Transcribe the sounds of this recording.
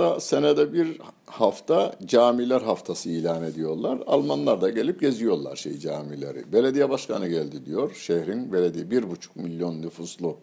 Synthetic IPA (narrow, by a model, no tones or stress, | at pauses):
ase̞nɛd̪ɛbiɾ | haft̪ʰad͡ʒaːmilʲæɾɦaft̪ʰasɯiːlʲaːne̞d̪ijo̞ɾlˠaɾa̰lˠmanlˠaɾd̪aɟe̞lʲip̚ɟe̞zijo̞ɾlˠa̰ɾʃe̞̰jid͡ʒaːmilʲe̞̰ɾḭbe̞lʲed̪ijɛbaʃkʰanɯɟælʲd̪id̪ijo̞ɾʃehɾinbe̞lʲed̪ijbiɾbut͡ʃʰu̥k̚milʲjo̞nːyfuslˠu